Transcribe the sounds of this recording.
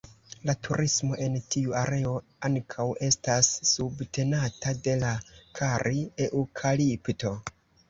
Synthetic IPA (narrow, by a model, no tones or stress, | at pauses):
latʰuɾʔismo̞ʔe̞ntʰiuaɾe̞o̞ | aŋkʰawe̞stasːubtʰe̞natade̞lakʰaɾʔie̞ʔukʰalipto̞